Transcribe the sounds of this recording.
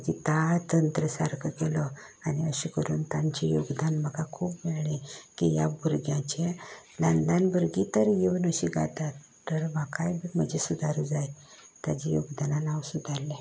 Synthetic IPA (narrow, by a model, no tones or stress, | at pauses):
d͡ʑit̪at̪ənt̪ɾəsaɾkʰəkɛlɔ | aniəɕikəɾuːnt̪ãɲt͡ɕijuɡd̪anm̤əɡakʰuːpmɛɭɳĩkija̰buɾɡjãt͡ɕẽ | lənd̪anbuɾɡit̪əɾjeʋunəɕiɡa̰t̪at̪ːəɾʋakajbim̤əd͡ʑesud̪aɾud͡zaj | t̪ad͡ʑijuɡd̪ananawsud̪ʱaɾlːe